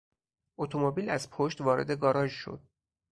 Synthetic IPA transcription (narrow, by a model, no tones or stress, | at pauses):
ʔot̪ʰomobiːlæzpʰoʃt̪vɒːɾe̞̰d̪e̞ɡɒːɾɒʒʃo̞̰d̪̥̚